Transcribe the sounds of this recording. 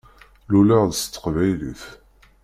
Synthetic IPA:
lulæʁðəst̪ːə̥qvæjliθ

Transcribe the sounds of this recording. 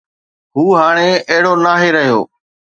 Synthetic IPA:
ɦuːɦaːɽ̃eːəɦɪɽoːnaːɦeːɾəɦjo̰ː

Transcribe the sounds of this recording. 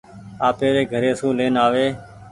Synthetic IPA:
aːpeːɾeːɡʱəɾeːsũːleːnaːʋeː

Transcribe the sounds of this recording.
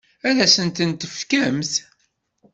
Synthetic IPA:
æðæsənt̪ənt̪əfkæmθ

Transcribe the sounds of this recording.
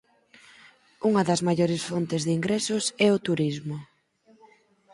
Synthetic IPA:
uŋɐðɐzmaʎoɾɪsfont̪ɪzðiŋɡɾɛsʊsɛʊt̪uɾizmʊ

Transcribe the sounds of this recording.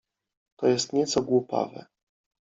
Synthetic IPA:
t̪ɔjɛst̪ɲɛt̪sɔɡwupa̰vɛ̰

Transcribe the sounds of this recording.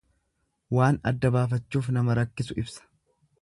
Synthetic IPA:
waːnɐ̰d̪ːɐbaːfɐt͡ʃːuːfnɐmɐɾɐkːɪsʊɪbsɐ̥

